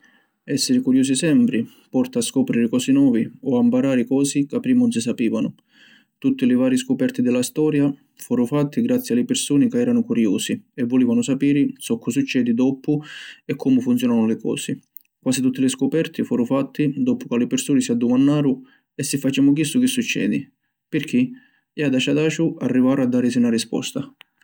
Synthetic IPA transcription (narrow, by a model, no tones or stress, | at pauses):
ɛsːɪɾɪkuɾjoːs̬isɛmpɾɪ | pɔrt̪aːskɔpɾiɾɪkɔːsinwɔːviɔampaɾaːɾɪkɔːsikapːɾiːmʊnsɪs̬apiːvanʊ | t̪ut̪ːɪlɪvaːɾiskʊpɛrt̪id̪ɛlast̪ɔːɾja | fuːɾʊfat̪ːiɡɾat̪sːjialɪpɪrsoːnɪkɪɛːɾanʊkuɾjoːsiɛvːʊliːvanʊsapiːɾɪsɔkːʊs̬ut͡ʃːɛːd̪id̪ɔpʊɛkʰːɔmʊfunt̪jɔːnanʊlɪkɔ̰ːsɪ | kwaːsit̪ut̪ːɪlɪskʊpɛrt̪ɪfuːɾʊfat̪ːid̪ɔpʊkalːɪpɪrsuːnɪsiad̪ːʊmanːaːɾʊ | ɛsːɪfːat͡ʃɛːmʊk̬isːʊk̟isːut͡ʃːɛ̰ːd̪i | pɪrk̟ʰːi | ɛad̪at͡ʃad̪aːt͡ʃʊarːivaːɾʊad̪ːaːɾɪs̬iunarispɔ̰st̪a